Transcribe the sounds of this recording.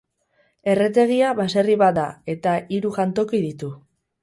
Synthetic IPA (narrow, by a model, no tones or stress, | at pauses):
e̞re̞t̪̬e̞ɣ̞iaβase̞riβat̪d̪a̰e̞t̪aiɾuʝant̪o̞kiðit̪u